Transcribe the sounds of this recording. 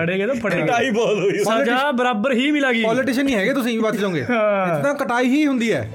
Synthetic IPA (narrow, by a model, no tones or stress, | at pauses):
əɽeːɡeːt̪opʰəɽeːɡaːiːbɔːt̪ɦoːiəd͡ʒaːbəɾaːbəɾɦiːmɪlaːɡiːpɔːlɪʈɪʃənːĩɦɛːɡeːt̪ʊsĩːiːbət̪d͡ʒaːõːɡḛ̃ːɪt̪nãːkəʈaːiːɦiːɦʊ̃nd̪iːɦɛː